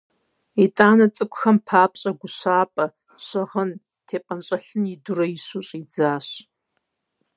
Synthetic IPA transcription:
etʼaːnɐt͡sʼɨkʷʼʊxɐmpʰaːpʰɕʼɐɡʷʊʃaːpʼɐ | ɕɐʁən | tʰeːpʼɐnɕʼɐħɨnidʊrɐiʃuɕʼid͡zaːɕ

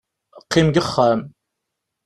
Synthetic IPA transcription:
qːimɡəχːæm

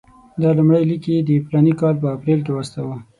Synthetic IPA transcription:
d̪ɑlumɽəjlikid̪əɪpɾɑnikɑlp̬əapɾelkewast̪awə

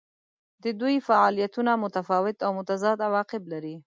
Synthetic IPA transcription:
d̪əd̪ujfaɑlijat̪unamʊt̪afɑwɪt̪awmʊt̪azɑd̪awɑqɪblaɾi

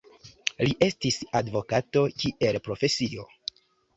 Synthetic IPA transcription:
liʔe̞stisadvo̞kato̞kiʔe̞lpɾo̞fe̞sio̞̰

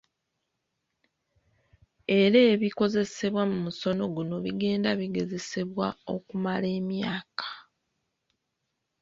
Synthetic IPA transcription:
e̞ɾe̞ːβiko̞ze̞se̞βwamumuso̞no̞ɡuno̞βiɡe̞ːndaβiɡe̞ze̞se̞βwao̞kumale̞ːmjaːkḁ

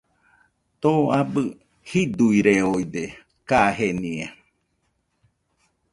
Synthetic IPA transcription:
t̪oabɨ | hid̪uiɾeojd̪e | kaɦenĩa

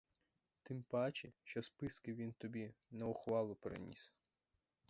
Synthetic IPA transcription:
t̪ɪmpɑt͡ʃɪʃt͡ʃɔspɪskɪʋʲint̪ɔbʲinɐʊxʋɑlˠʊpɾḛnʲḭs

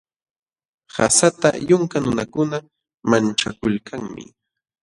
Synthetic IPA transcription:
ha̰sat̪a̰jʊŋkanʊnakʊna | mant͡ʃakʊlkʰaŋmɪ̰

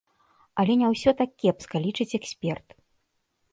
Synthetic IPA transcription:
ɐlʲɛnʲɛwsʲɔt̪akʲːɛpskɐlʲit͡ʂɨt͡sʲɛksʲpʲɛrt̪

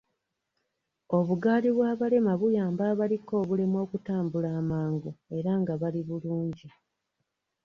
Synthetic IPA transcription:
o̞βuɡaːliβwaːβale̞maβujaːmbaːβaliko̞ːβulemo̞ːkutaːmbulaːmaːŋɡue̞ɾaŋɡaβaliβuluːɲɟi

